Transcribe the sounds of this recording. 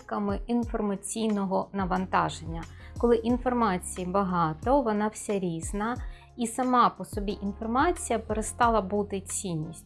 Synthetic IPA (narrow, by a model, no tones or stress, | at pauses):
kɐmɪinfɔrmɐt͡sʲijnɔɦɔnɐʋɐnt̪ɑʒenʲːɐkɔlˠɪʔinfɔrmɑt͡sʲijibɐɦɑt̪ɔʋɔnɑwsʲɛɾʲiznɐ | isɐmɑpɔsɔbʲiʔinfɔrmɑt͡sʲijɐpeɾest̪ɑlˠɐbut̪ɪt͡sʲinʲːisʲttʲ